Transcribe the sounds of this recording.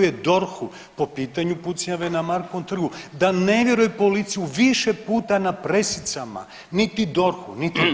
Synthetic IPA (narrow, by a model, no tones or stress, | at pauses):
jed̪o̞ɾxu | po̞piːt̪aɲuput̪sɲaʋenamaɾkomt̪r̩ɡud̪aneʋje̞ɾujepo̞lit̪sijuʋiʃepuːt̪anapɾe̞sit̪sama̰ | nit̪id̪o̞ɾxunit̪i